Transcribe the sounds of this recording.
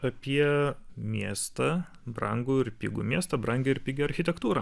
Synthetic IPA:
ɐpʲiɛmʲiɛːst̪ɐ | bɾɐ̰ŋɡuːɪɾpʲiɡṵːmʲiɛst̪ɐbɾɐŋʲɡʲɛɪɾpʲɪɡʲɛɐɾʲxʲɪt̪ʲɛkt̪uːɾɐː

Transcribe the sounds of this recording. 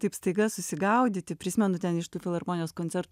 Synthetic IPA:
t̪ɐɪpst̪ɐɪɡɐssʊsʲɪɡɐʊd̪ʲɪt̪ʲɪpʲɾʲɪsʲɪmʲɛnʊt̪ʲɛnɪʃt̪uːfʲɪlˠɐrmoːnʲɪjoːskonʲtsʲɛɾt̪

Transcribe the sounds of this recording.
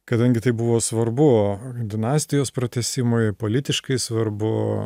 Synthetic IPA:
kɐd̪ɐŋʲɡʲɪt̪ɐɪbʊʋoːsʋɐrbʊd̪ʲɪnɑːsʲt̪ʲɪjoːspɾɐt̪ʲɛsʲɪmopoːlʲɪt̪ʲɪʃkɐɪsʋɐrbʊ

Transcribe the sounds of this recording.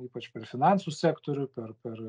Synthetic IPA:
iːpɐt͡ʃpʲɛɾfʲɪnɑnsusʲæːkt̪oɾʲʊpʲɛɾpʲɛr

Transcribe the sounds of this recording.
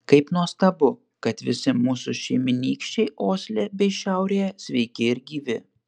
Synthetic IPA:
kɐɪpnuɔst̪ɐbʊ | kɐt̪ʋʲɪsʲɪmuːsʊʃʲɛɪmʲɪnʲiːkʃʲt͡ʃʲɛɪʔoːsʲlʲebʲɛɪʃʲɛˑʊɾʲeːɛsʲʋʲɛɪkʲɪɪɾɡʲiːʋʲɪ

